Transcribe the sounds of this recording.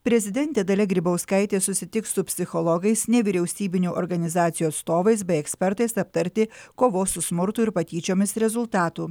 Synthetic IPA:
pʲɾʲɛzʲɪd̪ʲɛnʲt̪ʲeːd̪ɐlʲɛɡɾʲiːbɐʊskɐɪt̪ʲeːsʊsʲɪt̪ʲɪkssʊpʲsʲɪxɔlˠɔɡɐɪsnʲɛʋʲiɾʲɛʊsʲiːbʲɪnʲuːʔɔɾɡɐnʲɪzɑːt̪sʲɪjuːɐt̪st̪oːʋɐɪs̬bʲɛɪɛksʲpʲɛɾt̪ɐɪsɐp̚t̪ɐɾʲt̪ʲɪkoːʋoːsʊsmʊɾt̪ʊɪɾpɐt̪ʲiːt͡ʃʲoːmʲɪsɾʲɛzʊlˠt̪ɑːt̪uː

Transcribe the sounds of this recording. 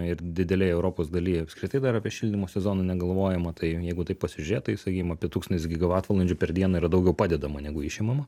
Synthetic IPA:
ɪrd̪ʲɪdʲɛlʲɛɪɛʊɾoːpoːsd̪ɐlʲijɐpskɾʲɪt̪ɐɪd̪ɐɾɑːpʲiɛʃʲilʲdʲɪmoːsʲɛzoːnɐnʲɛɡɐlˠʋoːjɛmɐt̪ɐɪjɛɪɡʊt̪ɐɪppɐsʲɪʒʲʊɾʲeːtt̪ɐɪsɐkʲiːkʲɪmɐpʲiɛt̪uːkst̪ɐnʲɪsɡʲɪɡɐʋɑːt̪ʋɐlˠɐnʲd͡ʒʲʊpʲɛɾd̪ʲiɛnɐiːɾɐd̪ɐʊɡʲɛʊpɑːd̪ʲɛd̪ɐmɐnʲɛɡʊɪʃʲɪmɐmɐ

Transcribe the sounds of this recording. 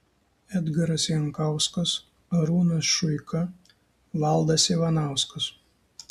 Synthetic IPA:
ɛd̪ɡɐɾɐsjɛŋkɑˑʊskɐs | ɐɾuːnɐsʃʊɪkʰɐ | ʋɑlˠd̪ɐsʲiːʋɐnɑˑʊskɐs

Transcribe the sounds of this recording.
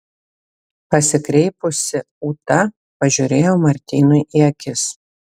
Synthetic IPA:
pɐsʲɪkɾʲɛɪpʊsʲɪ | uːt̪ɐ | pɐʒʲuɾʲeːjoːmɐɾʲt̪ʲiːnʊjʔiɛkʲɪs

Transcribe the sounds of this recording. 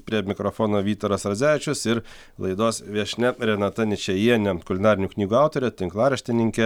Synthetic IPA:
pʲɾʲiɛmʲɪkɾofoːnoːʋʲiːt̪oːɾɐsɾɐzʲæːʋʲɪt͡ʃʲʊsɪɾ | lˠɐɪd̪oːsʋʲiɛʃʲnʲɛɾʲɛnɑt̪ɐnʲɪt͡ʃʲɛjiɛnʲɛkʊlʲɪnɑːɾʲɪnʲuːknʲiːɡuːɑˑʊt̪oːɾʲɛt̪ʲɪŋklˠɑːɾʲɛʃʲt̪ʲɪnʲɪŋʲkʲɛ

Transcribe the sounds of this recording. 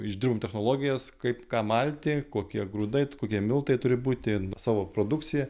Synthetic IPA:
ɪʒʲd̪ʲɪrboːmt̪ʲɛxnoːlˠoːɡʲɪjɛskɐɪpkɑːmɐlʲt̪ʲɪkoːkʲiɛɡɾuːd̪ɐɪkoːkʲiɛmʲɪlˠt̪ɐɪt̪ʊɾʲɪbuːt̪ʲɪsɑːʋoːpɾoːd̪ʊk̪sʲɪjɛ

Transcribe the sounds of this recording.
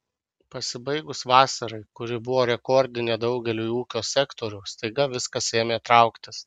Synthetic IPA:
pɐsʲɪbɐɪɡʊsʋɑːsɐɾɐɪkʊɾʲɪbʊʋoːɾʲɛkɔɾʲd̪ʲɪnʲeːd̪ɒʊɡʲɛlʲuːiuːkʲoːsʲɛkt̪oːɾʲʊːst̪ɐɪɡɐʋʲɪskɐseːmʲeːt̪ɾɐʊkt̪ʲɪs

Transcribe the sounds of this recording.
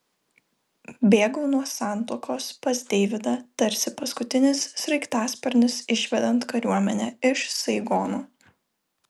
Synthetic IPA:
bʲeːɡɐːnuɔsɑˑnt̪oːkoːspɐzʲd̪ʲɛɪʋʲɪd̪ɐt̪ɐɾʲsʲɪpɐskʊt̪ʲɪnʲɪsːʲɾɐɪkt̪ɑːsʲpʲɛɾʲnʲɪsɪʃʲʋʲɛd̪ɐnt̪kɐɾʲuɔmʲɛnʲɛɪʃsɐɪɡoːnuː

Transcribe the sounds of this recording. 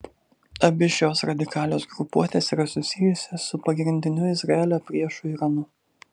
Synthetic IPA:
ɐbʲɪʃʲoːsɾɐd̪ʲɪkɑːlʲoːsɡɾʊpuɔt̪ʲeːsiːɾɐsʊsʲɪjʊsʲɛsʊpɐɡɾʲɪnʲd̪ʲɪnʲʊɪzɾɐeːlʲopʲɾʲiɛʃʊiːɾɐnʊ

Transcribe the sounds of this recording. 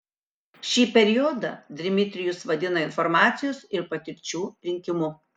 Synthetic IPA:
ʃʲiːpʲɛɾʲɪjɔd̪ɐ̰d̪ʲɾʲɪmʲɪt̪ʲɾʲɪjʊsʋɐd̪ʲɪnɐɪnfɔɾmɑːt̪sʲɪjoːsɪɾpɐt̪ʲɪɾʲt͡ʃʲuːɾʲɪŋʲkʲɪmʊ

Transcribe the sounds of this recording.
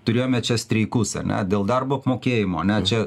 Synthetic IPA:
t̪ʊɾʲeːjoːmʲɛt͡ʃʲɛsʲt̪ʲɾʲɛɪkʊsɐ̰nʲɛ̰d̪ʲeːlˠd̪ɑrboːɐpmoːkʲeːjɪmoːɐnʲɛt͡ʃʲɛ

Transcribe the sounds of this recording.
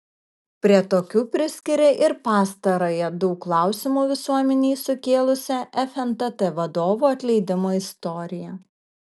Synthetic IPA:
pʲɾʲiɛt̪oːkʲuːpʲɾʲɪsʲkʲɪɾʲeʔɪɾpɑːst̪ɐɾoːjɛd̪ɔːkːlˠɑˑʊsʲɪmuːʋʲɪsuɔmʲɛnʲiːsʊkʲeːlˠʊsʲɛʔɛfʲɛnt̪ɐt̪ɛʋɐd̪oːʋuːɐt̪ʲlʲɛɪd̪ʲɪmoːɪst̪ɔɾʲɪjɛ

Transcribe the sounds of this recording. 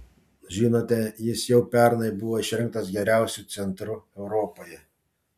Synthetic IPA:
ʒʲiːnoːt̪ʲɛjɪsjɛʊpʲɛɾnɐɪbʊʋoːɪʃʲɾʲɪŋk̚t̪ɐsɡʲɛɾʲæˑʊsʲut̪sʲɛnt̪ɾʊɛʊɾɔpoːjɛ

